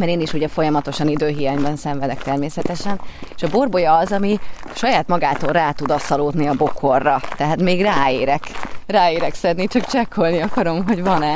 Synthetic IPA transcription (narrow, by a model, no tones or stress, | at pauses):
mɛɾeːniʃuɟɛfo̞jɒmɒt̪o̞ʃɒnid̪øːɦijaːɲbɛnsɛɱvɛd̪ɛkt̪ɛrmeːsɛt̪ɛʃɛneʃɒbo̞rbo̞jɒːzɒmiʃɒjaːt̪mɒɡaːt̪oːrraːt̪ud̪ɒsːɒloːd̪niɒbo̞kʰo̞rːɒt̪ɛɦaːt̪meːɡraːeːɾɛkraːeːɾɛksɛd̪nit͡ʃɒkt͡ʃɛkʰːo̞lniɒkɒɾo̞mɦo̞ɟvɒnɛ